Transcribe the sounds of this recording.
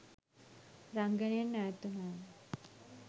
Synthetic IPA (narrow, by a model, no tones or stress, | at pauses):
ɾaŋɡənenːajt̪unan